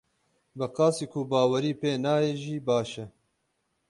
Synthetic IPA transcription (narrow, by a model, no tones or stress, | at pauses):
bɛqɑːsiːkʰubaːwɐɾiːpeːnaːjeʒiːbaːʃɛ